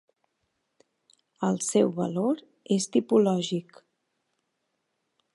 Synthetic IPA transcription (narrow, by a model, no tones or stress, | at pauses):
əlˠsɛwβə̰loɾ | est̪ipulɔʒik